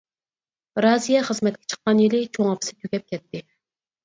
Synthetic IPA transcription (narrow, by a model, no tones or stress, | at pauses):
ɾɑːzijɛχəzmɛt̪̚kʲʰɛ̥t͡ʃʰə̥qːɑnjilɪt͡ʃʰoŋɑpʰɨ̥sɪ̥t̪ʰyɡʲɛp̚kʲʰɛt̪ʰːɪ